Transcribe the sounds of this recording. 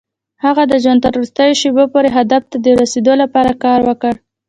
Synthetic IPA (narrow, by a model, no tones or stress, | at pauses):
haɣad̪əʒɑnt̪aɾoɾɪst̪ɑjoʃebopoɾeɦad̪aft̪ad̪əɾased̪olapɑɾakɑɾwəkəɽ